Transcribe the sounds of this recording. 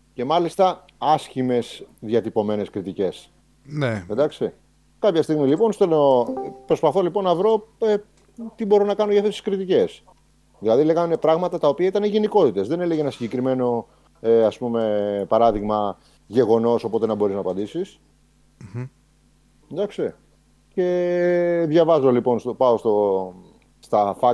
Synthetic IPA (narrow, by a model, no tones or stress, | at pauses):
ce̞mɐlist̪ɐ | ɐscime̞sðjɐt̪ipo̞me̞ne̞skɾit̪ice̞s | neend̪ɐkst̪i | kɐpçɐst̪iɣmilipo̞nst̪olopɾo̞spɐθo̞lipo̞nːɐvɾo̞e | t̪ibo̞ɾonɐkɐnoʝɐft̪esi̥skɾit̪ice̞s | ðilɐðile̞ɣɐninepɾɐɣmɐt̪ɐt̪ɐo̞piɐit̪ɐneʝe̞niko̞t̪it̪e̞zðe̞ne̞leʝeenɐsiɲɟe̞kɾime̞no̞ | eɐspume̞pɐɾɐðiɣmɐ | ʝe̞ɣo̞no̞so̞po̞t̪enɐbo̞ɾiznɐːpɐnd̪isis | nd̪ɐkst̪e | ce̞ | ðʝɐvɐzolipo̞nst̪opɐost̪o̞ | st̪ɐfɐ